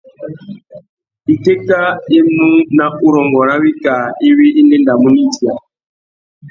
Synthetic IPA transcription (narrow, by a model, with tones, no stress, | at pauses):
i˨te˦ta˦i˦mũ˦na˦ʔu˦ɾɔ˨ŋɡɔ˨ɾa˦wi˦ka˨i˦wi˦i˦le˦nda˨mu˦ni˦ti˨a˨